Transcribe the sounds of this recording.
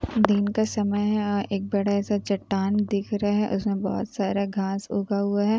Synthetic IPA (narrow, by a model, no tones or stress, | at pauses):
d̪ɪnkasɐməjɦɛɔʔeːk̚bɐɽaɛːsat͡ʃɐʈːaːnd̪ɪkʰɾɐaɦɛʔʊsmẽbɔ̰ːʊt̪saːɾaɡʱaːsʊːɡaɦʊaɦɛ